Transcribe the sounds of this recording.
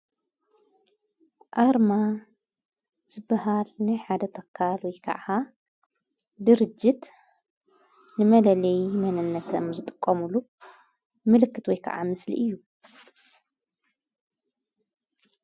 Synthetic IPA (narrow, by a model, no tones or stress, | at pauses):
ʔaɾma | z̥ɨbːɐɦalnajħad̪ɐt̪ʰɐkʰːalwɔjkʰa̰ʕa | d̪ɨɾɨd͡ʒɪt̪ | nɨmɐlɐlɐjɪmɐnɨnːɐt̪ʰɐmzɨt̪ʼɨ̥kʼːɐmulu | mɨlɨkːɨt̪wɔjkʰa̰ʕa̰mɨslḭʔɨjːu